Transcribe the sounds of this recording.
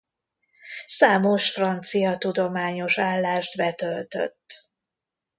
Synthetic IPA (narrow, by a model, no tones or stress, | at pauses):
saːmo̞ʃfrɒnt̪sijɒt̪ud̪o̞maːɲo̞ʃaːlːaːʃt̪bɛt̪ølt̪ø̰t̪ː